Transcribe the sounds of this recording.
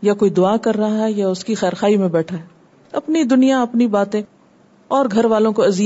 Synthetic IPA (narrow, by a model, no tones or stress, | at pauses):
jakoːid̪ʊaːkɐɾːɐɦaaɦɛjaʊskixɛːɾxaːimẽbɛːʈʰaɦɛ | ɐpnid̪ʊnijaɐpnibaːt̪ẽ | ɔːɾɡʱɐɾʋaːlõkoɐzi